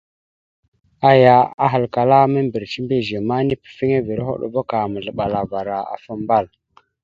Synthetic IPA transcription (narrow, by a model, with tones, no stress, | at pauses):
a˦ja˨a̰˦ɦa˨lka˨la˦mə˦mbi˨ɾt͡ʃi˦mbe˦ʒe˨ma˦ni˦pə̥˨fi˦ŋe˦vi˨ɾɦo̰˦ɗo̰˨vo˦ka˨mə˨ɮə˨ɓa˨la˨va˨ɾa˨a̰˨fə˦mba˦˨l